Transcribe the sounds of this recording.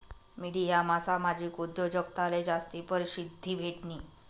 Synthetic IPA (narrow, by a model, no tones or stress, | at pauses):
miɽijamasamad͡ʑʱiːkud̪ːod͡ʑəkt̪aled͡zast̪ipəɾɕid̪ʱːiːbʱeʈniː